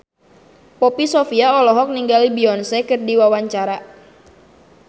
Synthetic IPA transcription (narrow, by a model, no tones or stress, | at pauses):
pɔpisɔfiaɔlɔɦɔk̚niŋɡalibiɔnsɛkɨrdiwawaɲt͡ʃaɾa